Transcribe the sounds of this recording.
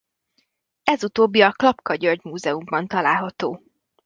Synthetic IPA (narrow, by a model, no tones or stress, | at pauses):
ɛzut̪oːbːiɒklɒpkɒɟørɟmuːzɛumbɒnt̪ɒlaːlɦɒt̪oː